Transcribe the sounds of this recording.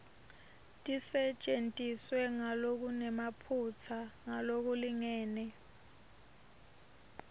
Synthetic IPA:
tʼisɛt͡ʃʼentʼiswɛŋalok̬unɛmapʰut͡sʰaŋalok̬uliŋɛːnɛ

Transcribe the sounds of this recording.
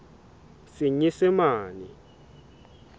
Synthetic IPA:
siɲisɪmaːnḭ

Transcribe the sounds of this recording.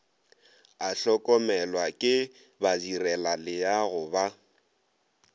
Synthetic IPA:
aɬɔkʼɔmɛlwakʼɪ | badirɛlalɪjaɣʊba

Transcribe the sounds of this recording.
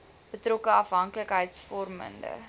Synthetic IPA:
b̥ətrokəɐfɦɐŋkləkɦəjtsfɔrmə̰ndə̰

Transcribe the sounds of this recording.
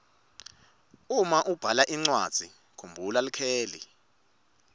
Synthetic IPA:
umaʔub̥ʱalaʔiŋ͡ǀwad̥z̥ʱi | kʰumbʱulalikʰɛːlḭ

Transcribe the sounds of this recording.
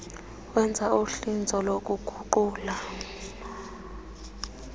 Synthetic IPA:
wɛnd͡zʱauɬind͡zʱɔlok̬ʼuɡ̥ʱuǃuːla

